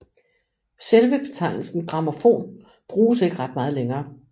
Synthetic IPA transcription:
selʋəb̥e̝t͡sʰɑ̈ɪnl̩sn̩ɡ̥ʁɑ̈mofo̝̰ːn | b̥ʁuːse̝ɡ̥əʁɑ̈d̥̚mɑ̈ːð̞̩ˠleŋɐː

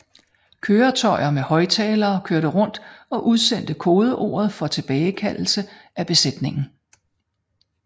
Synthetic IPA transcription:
kʰøːɐt͡sʰɒ̽ɪɐmehɒ̽ɪt͡sʰɛːlɐːkʰøɐɾ̥əʁɔ̽n̰d̥ɒ̽ʔuðˠsen̰d̥əkʰo̝ːð̞ˠəʔo̝̰ːɐð̞̩ˠfɒ̽t͡sʰe̝b̥ɛːɪkʰæl̰l̩sə | ʔæb̥e̝sed̥ne̝ŋn̩

